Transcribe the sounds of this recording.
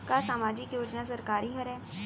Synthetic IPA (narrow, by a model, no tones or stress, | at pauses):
kasaːmaːd͡ʒɪkjoːd͡ʒnas̬ɐɾkaːɾiɦɐɾɦɛː